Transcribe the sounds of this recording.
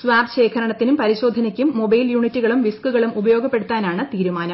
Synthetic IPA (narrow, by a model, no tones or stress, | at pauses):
sʋaːbɕe̞ːkʰɐɾɐɳɐt̪ːinumpɐɾiɕo̞ːd̪ʱɐnɐkʲːumːo̞bɐjljuːɳitːuɣɐɭumʋiskuɣɐɭumubɐjo̞ːɡʱɐpːe̞ɽut̪ːaːnaːɳɨt̪iːɾumaːnɐm